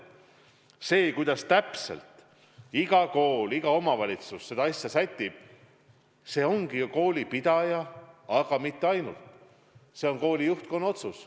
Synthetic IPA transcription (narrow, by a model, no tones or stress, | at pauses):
se̞ːkujd̪ɑst̪æpse̞̰lt̪ | iɡ̥ɑko̞ːliɡ̥ɑo̞mɑvɑlʲit̪susːe̞d̪ɑɑsʲjɑsæt̪ʲːˑib̥̚ | se̞ːo̞ŋɡ̥iko̞ːlʲipid̪̥ɑjɑɑɡ̥ɑmit̪ːe̞ɑjnult̪ | se̞o̞ŋko̞ːlʲijuht̪̚ko̞nːo̞t̪sus